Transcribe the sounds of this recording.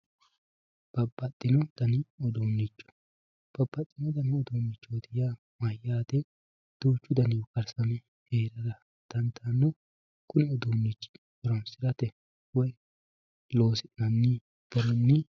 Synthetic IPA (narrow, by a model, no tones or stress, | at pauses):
b̥ɐbːɐt̪ʼːɪnɔt̪ɐnɪɔd̪oːnːɪt͡ʃːɔ̥ | b̥ɐbːɐt̪ʼːɪnɔd̪ɐnɪɔd̪oːnːɪt͡ʃːɔd̪ɪja | mɐjaːd̪ɛ | d̪̥uːt͡ʃːʊd̪ɐnɪwɔkɐɾsɐmɛ | heːɾɐɾɐ | d̪̥ɐnt̪ʰɐnːɔ | kʊnɛɔd̪oːnːɪt͡ʃːɪ̥ | wɔɾɐnsɪɾɐt̪ɛ | wɔj | loːsɪʔnɐnːɪ | b̥ɔɾɔnːɪ